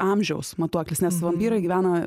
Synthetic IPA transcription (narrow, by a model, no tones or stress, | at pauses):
ɑmʲʒʲɛʊsmɐt̪uɔklʲɪsnʲɛsʋɐmʲpʲiːɾɐɪɡʲɪːʋʲæːnɐ